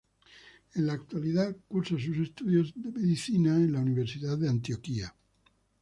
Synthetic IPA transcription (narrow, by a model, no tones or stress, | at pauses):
enlaːk̚t̪waliðaðkuɾsas̬us̬est̪uðjo̞zðemeðiθinaẽnlauniβe̞ɾsiðaððeant̪io̞kia